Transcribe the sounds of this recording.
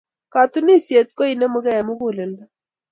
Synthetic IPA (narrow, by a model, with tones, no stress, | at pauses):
ka˨t̪u˦ni˦˨sje˨t̪̚ko˦i˨nɛ˦mʊ˦ɡɛ˦ɛ˨mʊ˦ɡu˦˨le˨nda˦